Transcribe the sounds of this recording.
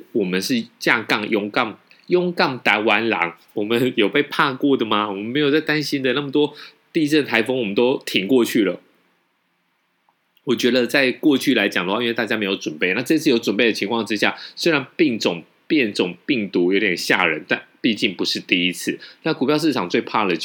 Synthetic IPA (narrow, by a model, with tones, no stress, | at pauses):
wɔ˨˩mə˦nʂɻ̩˥˧t͡ɕja˥˧kɑ˥˩ŋjʊ˥ŋkɑ˥˩ŋ | jʊ˥ŋkɑ˥˩ŋt̪a˨˥wa˧˥nlɑ̰˧˥ŋ | wɔ˨˩mə˦njo˨˩ʊpe˥˧ɪpʰa˥˧kwɔ˥˩d̪ə˩ma˩wɔ˨˩mə˦nme˧˥ɪjo˨˩ʊt͡sa˥˩ɪt̪a˦˥nɕi˥nd̪ə˨na˥˩mə˩t̪wɔ˥ | t̪i˥˧t͡sə˥˩nt̪ʰa˧˥ɪfɤ˥ŋwɔ˨˩ə˦nt̪o˥ʊt̪ʰi˨˩ŋkwɔ˥˧t͡ɕʰy˥˩lə˩ | wɔ˨˩t͡ɕɥɛ˧˥d̪ə˧t͡sa˥˧ɪkwɔ˥˧t͡ɕʰy˥˩la˧˥ɪt͡ɕjɑ˨˩ŋd̪ə˩wa˥˧i˥we˥˧t̪a˥˩t͡ɕja˥me˧˥ɪjo˧ʊʈ͡ʂwə˨˩npe˥ɪna˥˧ʈ͡ʂɤ˥˧i˥t͡sʰɹ̩˥˩jo˧˥ʊʈ͡ʂwə˨˩npe˥˩ɪə˩t͡ɕʰi˧˥ŋkʰwɑ˥˩ŋʈ͡ʂɻ̩˥ɕja̰˥˩swe˥ɪɻa˧˥npi˥˩ŋʈ͡ʂʊ˨˩ŋ | pjɛ˥˩nʈ͡ʂʊ˨˩ŋpi˥˩ŋt̪u˧˥˦jo˧˥ʊt̪jɛ˨˩nɕja̰˥˩ɻə˧˦nt̪a˥˧npi˥˧t͡ɕi˥˩ŋpu˧˦ʂɻ̩˥˧t̪i˥i˦˥t͡sʰɹ̩˥˩na˥˩ku˨˩pʰjɑ˥˧ʊʂ̬̩ʰ˥˩ɑ˨˩ŋt͡swe˥˧ɪpʰa˥˩d̪ə˩